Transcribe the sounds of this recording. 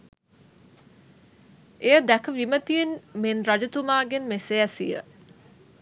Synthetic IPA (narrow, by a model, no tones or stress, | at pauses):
ʔejəd̪ækəʋimət̪ijenmenrad͡ʒɐt̪umaːɡenmeseæsḭjə̰